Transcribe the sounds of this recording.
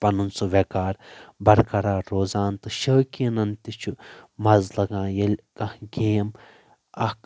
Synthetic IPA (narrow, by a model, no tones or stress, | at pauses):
pɐnunsuʋekaːɾbɐɾkɐɾaːɾoːzaːnt̪ɨʃəːkinɐnt̪it͡ʃʰumɐzlɐɡãːjɐlʲkɐɡeːm | ɐk